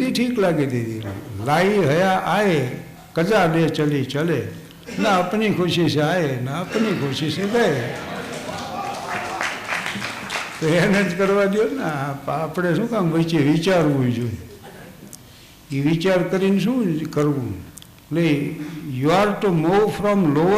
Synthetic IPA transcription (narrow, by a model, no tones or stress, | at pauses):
d̪iʈʰiːklaːɡed̪id̪ḭlaːiɦəjaʔaːe | kəd͡ʒalet͡ʃəlit͡ʃəle | naəpnikʰoʃiseaːenaəpnikʰoʃiseɡae | t̪oenəd͡ʒkəɾʋad̪ijonapːpɽeʃũːkãmʋət͡ʃeʋit͡ʃaɾʋũd͡ʒoi | iʋit͡ʃaːɾkəɾiːns̬ũːkəɾũ | lejuaɾʈumoːfʰɾɔmlo